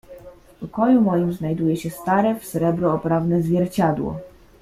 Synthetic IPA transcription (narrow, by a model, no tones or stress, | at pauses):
fpɔkɔjumɔjimznajd̪ujɛɕɛst̪aɾɛfsɾɛbɾɔːpɾavnɛzvʲjɛɾt͡ɕad̪wɔ̰